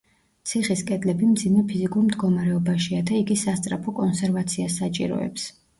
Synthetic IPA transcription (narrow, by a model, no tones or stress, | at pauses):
t̪sʰiχiskʼɛd̪lɛbimd̪zimɛpʰizikʼuɾmd̪ɡɔmaɾɛɔbaʃiad̪aiɡisast̪sʼɾapʰɔkʼɔnsɛɾvat̪sʰiasːat͡ʃʼḭɾɔ̰ɛ̰ps